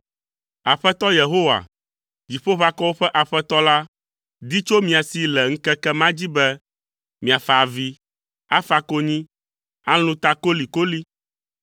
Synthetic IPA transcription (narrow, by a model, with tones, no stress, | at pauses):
a˨ɸɛ˦t̪ɔ˦je˨ɦo˦wa̰˨ | d͡ʑi˨ɸo˦ɸa˦kɔ˦wo˦ɸɛ˦ʔa˨ɸɛ˦t̪ɔ˦la˦ | d̪i˦t͡ʃo˦mĩ˨a˨si˨lɛ˨ŋ̩˦kɛ˦kɛ˦mã˦d͡ʑi˦bɛ˦ | mĩ˨a˨fa˨vi˦ | a˦fa˦ko˦ɲĩ˦ | a˦lũ˦t̪a˦ko˦li˨ko˦li˦